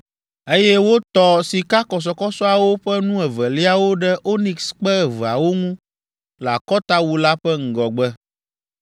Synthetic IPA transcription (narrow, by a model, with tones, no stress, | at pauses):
e˦jɛ˦wo˦t̪ɔ˦si˨ka˦kɔ˨s̬ɔ˨kɔ˦sɔ˦a˨wo˦ɸɛ˦nũ˦ɛ˨vɛ˨li˦a˦wo˦ɖɛ˦ʔo˦nĩ˨ksk͡pɛ˦˨və˨a̰˨wo˦ŋũ˦ | la̰˨kɔ˦t̪a˦wu˦la˦ɸɛ˦ŋ̩˨ɡɔ˨ɡ͡bɛ˦